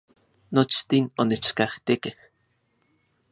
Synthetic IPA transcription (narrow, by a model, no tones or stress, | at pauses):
not͡ʃt̪inonet͡ʃkaht̪ikeh